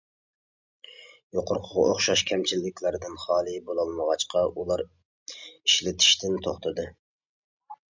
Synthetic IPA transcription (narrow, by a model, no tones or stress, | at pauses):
joqʰʊɾqʰəʁɑ̰oχʃɑʃkʲʰɛmt͡ʃʰilːɪkʲlæɾd̪ɪnχɑːlˠɨbolˠɑlˠməʁɑt͡ʃqʰɑʔulˠɑɾ | iʃlɪt̪ʰi̥ʃt̪ɪnt̪ʰoχt̪ʰɨd̪ɨ